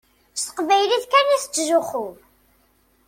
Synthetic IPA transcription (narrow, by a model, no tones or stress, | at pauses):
sə̥qvæjliθkænæθət͡sːʒʊχʊ